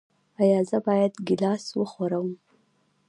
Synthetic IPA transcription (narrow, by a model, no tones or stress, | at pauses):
ajɑzəbɑjad̪ɡɪlɑswəxwaɾawəm